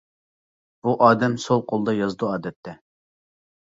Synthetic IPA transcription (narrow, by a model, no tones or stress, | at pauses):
b̥uʔɑːd̪ɛmsolˠqʰolˠd̪ɑjɑzd̪uɑːd̪ɛt̪ʰːɛ